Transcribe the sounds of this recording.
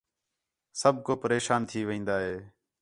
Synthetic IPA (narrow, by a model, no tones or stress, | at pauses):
səb̚ʱkoːpəɾeːʃaːnt̪ʰiːʋɪ̃ĩːnd̪aːɦeː